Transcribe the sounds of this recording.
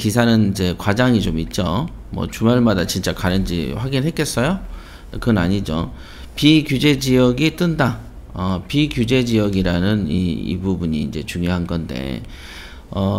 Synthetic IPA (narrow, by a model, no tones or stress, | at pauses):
kisʰanɯnid͡ʑe̞kwad͡ʑaŋit͡ɕomit̚t͡ɕ͈o | mwʌ̰t͡ɕumaɭmadat͡ɕint͡ɕ͈akaɾɯnd͡ʑḭɸwaɡinɦe̞t̚k͈e̞s͈ʌjo | kɯna̰ɲid͡ʑo̰ | pikjud͡ʑe̞d͡ʑijʌɡit͈ɯnda | ʌpikjud͡ʑe̞d͡ʑijʌɡiɾanɯnḭḭbubuɲḭːnd͡ʑe̞t͡ɕuŋjoɦanɡʌnde̞̰ | ʌ